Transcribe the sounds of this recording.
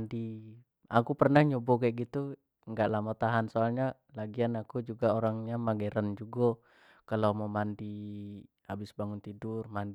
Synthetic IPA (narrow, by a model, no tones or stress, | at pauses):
ndi | a̰kupərnahɲobɔɡɛʔɡit̪u | ŋɡaʔlamat̪aɦansoalɲa | laɡianakud͡ʒuɡaoɾaŋɲamaɡɛɾand͡ʒuɡɔ | kalamɔmandi | abɪsbaŋʊnt̪idurmand